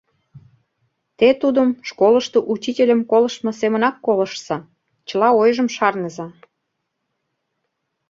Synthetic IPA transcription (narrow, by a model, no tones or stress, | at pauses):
t̪et̪ud̪əmʃkoləʃt̪oʔut͡ɕitʲelʲəmkoləʃmŏsemənɑkːoləʃsɑ | t͡ɕə̆lɑojʒəmʃɑrnəzɑ